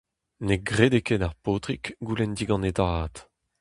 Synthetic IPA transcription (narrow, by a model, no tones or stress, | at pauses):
neɡʁeːd̪ekeːdaʁpoːt̪ʁikɡulɛnd̪iɡɑ̃netaːt̪